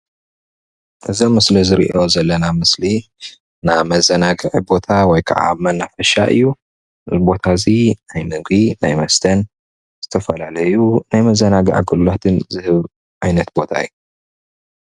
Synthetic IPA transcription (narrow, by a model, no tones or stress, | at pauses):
ʔɨzomːɨslizɨɾḭʔo̞zɐlːɐnamɨsli | namɐzɐnaɡɨʕibo̞t̪ʰawɔjkʰɐ̰ʕa̰mɐnːafɐʃa̰ʔɨ̰jːu | zbo̞t̪ʰazinajmɨɡinajmɐst̪ʰɐn | z̥ɨt̪ʰɐfɐlalɐjunajmɐzɐnaɡɨʕaɡɨlulat̪ʰɨnzɨhɨβ | ʕajnɐt̪bo̞t̪ʰa̰ɨ̰ju